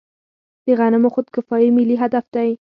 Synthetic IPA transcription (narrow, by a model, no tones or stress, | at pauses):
d̪̥eɣanɪmoxʊd̪̚kɪfɑjimɪliɦad̪afd̪̥aj